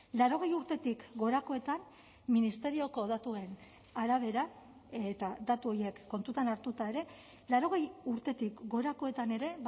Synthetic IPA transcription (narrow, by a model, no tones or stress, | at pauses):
laɾo̞ɣ̞e̞juɾt̪e̞t̪ikɡo̞ɾako̞e̞t̪an | minist̪e̞ɾio̞ko̞ðat̪ue̞n | aɾaβ̞e̞ɾa | et̪ad̪at̪uo̞je̞kːo̞nt̪ut̪anaɾt̪ut̪ae̞ɾe̞ | laɾo̞ɣ̞e̞juɾt̪e̞t̪ikɡo̞ɾako̞e̞t̪ane̞ɾe̞